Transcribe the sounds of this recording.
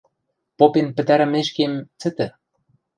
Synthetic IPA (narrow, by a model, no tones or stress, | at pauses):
popenpɘ̆t̪æɾɘ̆meʃkemt͡sɘ̆t̪ɘ̆